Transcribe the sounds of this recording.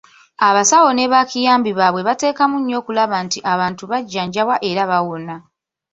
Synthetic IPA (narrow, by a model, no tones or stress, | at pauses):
aβasawo̞ne̞βakijaːmbiβaːβwe̞βate̞ːkamuɲːo̞ːkulaβantiʔaβaːntuβaɟːaːɲɟawaʔe̞ɾaβawona